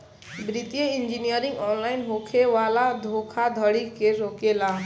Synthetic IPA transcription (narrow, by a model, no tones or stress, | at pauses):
bɾit̪jəind͡ʒinijəɾĩŋɡɔnlainɦokʰeʋalad̪ʱokʰad̪ʱəɽikeɾokela